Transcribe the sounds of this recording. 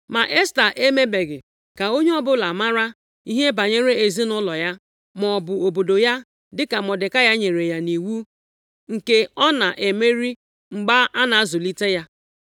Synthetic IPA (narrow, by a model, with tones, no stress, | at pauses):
ma˨ʔe˦sta˨ʔe˦me˦be˨ɡɪ˨ | ka˨o˦ɲe˦ɔ˦bʊ˦la˨ma˦ɾa˦ | i˦ɦe˦ba˨ɲe˦ɾe˦e˨zi˦nʊ˦lɔ˨ja˦ | mɔ˨bʊ˨o˨bo˨do˨ja˦ | dɪ˦ka˨mɔ˨dɪ˨ka˦ja˦ɲe˨ɾe˨ja˨ni˨wu˦ | ŋ̩˨ke˦ɔ˦na˨ʔe˨me˦ɾi˦ | ŋ͡m̩˨ɡ͡ba˦a˦na˨a˦zʊ˨li˦te˦ja˦